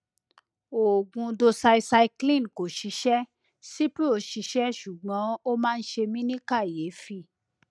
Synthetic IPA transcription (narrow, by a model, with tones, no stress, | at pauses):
o˨ɡũ˧do˧sa˧i˧sa˧i˧klĩ˦˨ko˨ʃi˧˦ʃɛ˦ | si˦pi˦o˦˨ʃi˧˦ʃɛ˦ʃu˨ɡ͡bɔ̃˨˦o˦mãː˦˧n̩˦ʃe˧mĩ˦nĩ˦ka˦˨je˨˦fi˧˦